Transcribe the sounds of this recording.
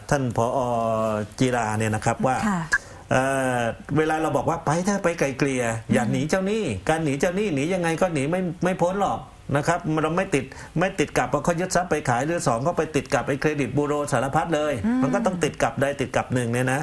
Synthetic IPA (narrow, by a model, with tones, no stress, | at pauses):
t̪ʰa˥˩npʰɔː˨˦ʔɔː˧t͡ɕiː˧laː˧ni˥˩ɐna˦˥kʰa˦˥p̚waː˥˩ | ʔəː˩weː˧laː˧ɾa˧wbɔː˨˩k̚waː˥˩pa˧jt̪ʰaː˥˩pa˧jka˨˩jkli˧ɐjaː˨˩k̚niː˩˦t͡ɕa˥˩wniː˥˩kaː˧nːiː˩˦t͡ɕa˥˩wniː˥˩niː˩˦ja˧ŋːa˧jkɔː˥˩niː˩˦ma˥˩jma˥˩jpʰo˦˥nlɔː˨˩k̚ | na˦˥kʰɾa˦˥p̚mɾa˧wma˥˩jt̪i˨˩t̪̚ | ma˥˩jt̪i˨˩t̪̚ka˨˩p̚ːɔː˧˩kʰɔː˥˩wjɯ˦˥t̪̚sa˦˥pːa˧jkʰaː˩˦jɾɯː˧sɔː˩˦ŋkʰa˥˩pa˧jt̪i˨˩t̪̚ka˨˩p̚ʔa˧jkʰɾeː˧di˨˩t̪̚buː˧ɾoː˧saː˩˦la˧pʰa˦˥t̪̚lɤː˧jma˧nkɔː˥˩t̪ɔ˥˩ŋt̪i˨˩t̪̚ka˨˩p̚daː˧jt̪i˨˩t̪̚ka˨˩p̚nɯ˨˩ŋni˥˩na˦˥